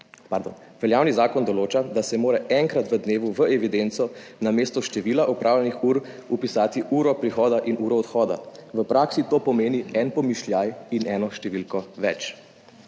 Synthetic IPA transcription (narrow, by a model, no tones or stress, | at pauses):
paɾd̪o̰n | ʋɛljaːwnizaːkɔnd̪ɔloːt͡ʃad̪asɛmoːɾɛʔɛŋkɾat̪ʋəd̪neːʋuʋəʔɛʋid̪ent̪sɔnameːst̪ɔʃt̪ɛʋiːlaʔɔpɾʔaːwljɛnixuːɾ | upisaːt̪iuːɾɔpɾixɔːd̪aʔinuːɾɔːt̪xɔːd̪a̰ʋəpɾaːksit̪oːpɔmeːniɛnpɔmiʃljajinɛːnɔʃt̪ɛʋilkɔʋɛ̰t͡ʃ